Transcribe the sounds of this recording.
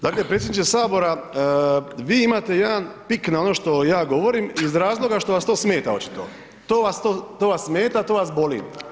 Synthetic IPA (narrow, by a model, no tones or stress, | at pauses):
d̪aːkle̞pɾesjed̪nit͡ʃesaːbo̞ɾa | ʋiːimaːt̪e̞jed̪anpiknao̞no̞ːʃt̪o̞jaːɡo̞ʋo̞ɾimizɾaːzlˠo̞ɡaʃt̪o̞ʋast̪oːsme̞ːt̪ao̞t͡ɕi̥t̪o̰ | t̪oːʋast̪oːt̪oːʋasːmeːt̪at̪o̞ːʋasbo̞lḭːm